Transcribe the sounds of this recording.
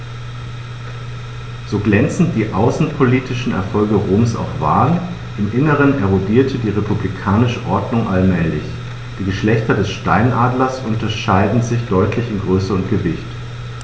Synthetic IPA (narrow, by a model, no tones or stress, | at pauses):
z̥oːɡlɛnt͡sn̩t̚d̥iːʔaʊsn̩pʰoliːtʰɪʃn̩ɛ̰ɐfɔlɡəʁoːmsa̰ʊfv̥a̰ːn | ʔɪmʔɪnəʁ̞ənɛʁodiːɐtʰədiːʁepʰublikʰaːnɪʃəʔɔɐdnʊŋʔalmɛːlɪç | d̥iːɡəʃlɛçtɐdɛsʃta̰ɪnʔaːdlɐsʔʊntɐʃaɪdn̩zɪçd̥ɔʏtʰlɪçɪnɡʁøːsəʊntɡ̥əvɪçt